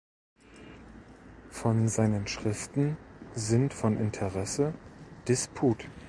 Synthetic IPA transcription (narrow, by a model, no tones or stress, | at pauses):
fɔnzaɪnənʃʁ̥ɪftn̩zɪntfɔnʔɪ̰ntʰəʁɛsəd̥ɪspʰuːt